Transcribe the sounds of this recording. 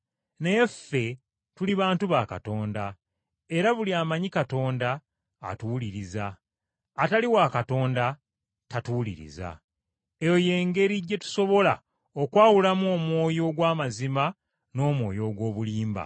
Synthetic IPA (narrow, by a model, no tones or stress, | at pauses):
ne̞jefːe̞ | tuliβaːntuβaka̰to̞ːnda | e̞ɾaβuliaːmaɲikato̞ːnda̰ː | tuliɾizaː | taliwakato̞ːnda | tatulḭɾḭza̰ | ejo̞je̞ːŋɡe̞ɾiɟːe̞tu̥so̞βo̞la̰ | okwaːwulamuo̞ːmwo̞ːjo̞ɡwaːmazima | no̞ːmwo̞ːjo̞ɡwo̞ːβuliːmba̰